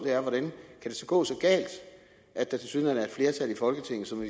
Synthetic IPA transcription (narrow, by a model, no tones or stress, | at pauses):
d̥e̝æɐʋɒɾ̥ænkʰæd̥e̝sɒ̽ɡ̥ɔ̰̽ːsɒ̽ɡ̥ɛ̰ːld̥ | ʔæd̥ːæt͡sʰesynænæɐe̥fle̝ːɐt͡sʰæl̰ifɒ̽lɡ̥ət͡sʰe̝ŋ̰n̩sɒ̽mʋi